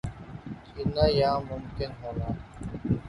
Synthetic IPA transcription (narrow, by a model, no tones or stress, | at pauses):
kinajaːmʊmkɪnɦoːnaː